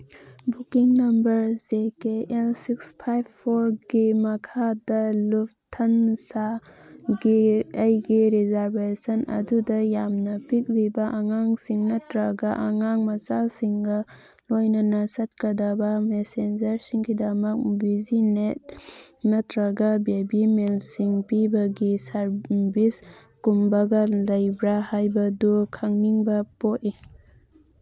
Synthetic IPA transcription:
bukiŋnɐmbɐɾzekeʔelsikspʰajbpʰːoɾɡimɐkʰadɐlup̚tʰɐnsa | ɡiɐjɡiɾizaɾbesɐnɐ̰dudɐjamnɐpik̚libɐʔɐŋaŋsiŋnɐtɾɐɡɐʔɐŋaŋmɐt͡ʃasiŋɡɐ | lojnɐnɐsɐt̚kɐdɐbɐmesend͡ʒɐɾsiŋɡidɐmɐk̚bizinet̚ | nɐtɾɐɡabebimelsiŋpibɐɡisaɾbis | kumbɐɡɐlɐjbɾahajbɐdukʰaŋniŋbɐpoti

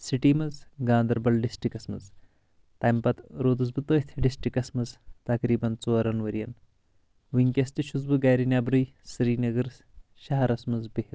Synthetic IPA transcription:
siʈiːmɐzɡãːnd̪ɐɾbɐlɖisʈikɐsmɐ̰z | t̪ajmpɐt̪ɾoːd̪ɨzbɨt̪əːht̪ʰiɖisʈikɐsmɐzt̪ɐkɾiːbɐnt͡soːɾɐnʋɐɾijɐn | ʋiŋkʲɐst̪iʃuzbɨɡaːjɾinʲaːbɾɨj | sɾiːnɐɡɐɾ | ʃɐɦɐɾɐsmɐzbeht̪

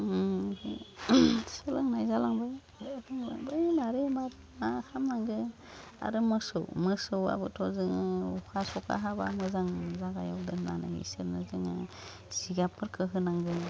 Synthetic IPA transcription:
sɯlɯŋnajzalaŋbaj | taŋba̰ŋbajnaɾemat | ahamnaŋɡɯ | a̰ɾɯmɯsɯwmɯsɯwa̰bɯtʰɔzɯŋɯukʰasɔkʰa̰ɦaba̰mɯzaŋzaɡajɔk̚dɯnna̰na̰ḭseɾnɯzɯŋa̰ | siɡapʰɯɾkʰɯɦɯnaŋɡɯ

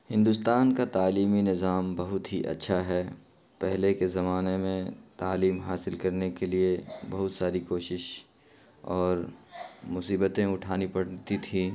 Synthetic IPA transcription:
hɪ̃nd̪ʊst̪aːnkat̪aːliːminɪzaːmbɐɦʊt̪ɦiʔɐ̰tːʃʰaɦɛː | pɛɦlekezɐmaːnemẽt̪aːliːmɦaːsɪlkɐɾnekeliebɐɦʊt̪saːɾikoːʃɪʃ | ɔːɾmʊsiːbət̪ẽʊʈʰaːnipɐɽt̪it̪ʰiː

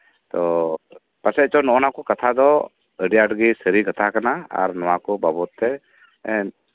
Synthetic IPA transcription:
t̪ɔ | pasɛt͡ʃɔnɔʔɔnakɔkat̪ʰad̪ɔ | əɖijaʈɡisəɾikat̪ʰakanaa̰ɾnɔwakɔbabɔt̪ːɛ | ɛn

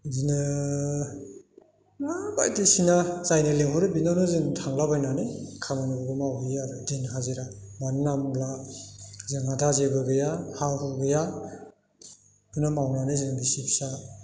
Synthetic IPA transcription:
zinɯ | naba̰jdisinazajneleɦɔɾɯbinanɯzɯŋtʰaŋlabajnanikʰamanubɯɡɯmawiaɾudenɦaziɾamanːamla | zɯŋadazeɡɯɡɯjahahuɡɯja | bɯnamawnanɯzɯŋbisipsa

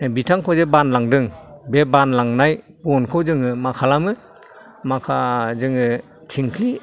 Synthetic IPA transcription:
bitʰaŋkʰɔzebanlaŋdɯŋbebanlaŋnaj | bɔnkʰɯwzɯŋɯmakʰalamɯ | makʰazɯŋɯ | tʰiŋkʰli

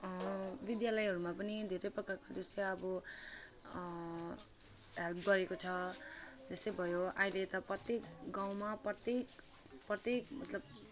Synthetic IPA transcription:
bid̪jalʌjɦʌɾumapʌnid̪ʱeɾʌjprʌkakad͡zʌst̪ʌjʌbʌ | ɦelpɡʌɾekot͡sʰʌ | d͡zʌst̪ʌjbʱʌjoaɦilet̪ʌprʌt̪ekɡaw̃maprʌt̪ek | prʌt̪ekmʌt̪lʌb

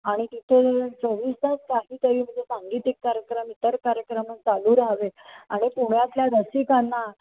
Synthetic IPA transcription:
aɽ̃it̪it̪ʰet͡səʋiːst̪at͡skaɦiːt̪əɾiːm̤əɳd͡zesaŋɡiːt̪ikːaɾjəkɾəmit̪əɾkaɾjəkɾəmənt͡saluːɾaɦʋeaɽ̃ipuɳjat̪ljad̪əsikanːa

